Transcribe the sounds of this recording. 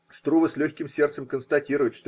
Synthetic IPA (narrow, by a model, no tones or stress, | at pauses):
st̪ɾuvəsʲlʲɵçʲkʲɪmsʲert̪səmkənst̪ɐtʲiɾʊjɪt̪ʂt̪o